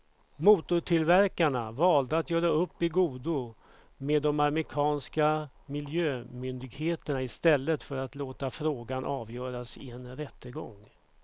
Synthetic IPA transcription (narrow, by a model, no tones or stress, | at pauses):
muːt̪ʊʈʰɪlvæɾkaɳavɑːld̪əat̪jœːɾaɵpːɪɡuːd̪ʊ | meːd̪ːɔmaɾmɪkʰɑːnska | mɪljøːmʏnd̪ɪɡheːt̪əɳaɪst̪ɛlːət̪fœɾat̪loːt̪afɾoːɡanʔɑːvjœːɾasɪɛnɾɛt̪ːəɡɔ̰ŋː